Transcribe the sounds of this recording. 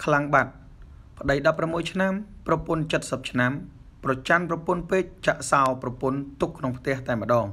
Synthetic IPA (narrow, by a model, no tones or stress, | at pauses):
kʰlaŋɓat̪̚ | pʰə̆ɗəjɗɑpːramːuəjt͡ɕʰnamprɑpʊ̆ənt͡ɕət̪̚səp̚t͡ɕʰnam | prɑt͡ɕanprɑpʊənpeːt̪̚t͡ɕaʔsaɔprɑpʊənt̪ukʰːnoŋpʰt̪ɛ̆əht̪aɛmə̆ɗɑːŋ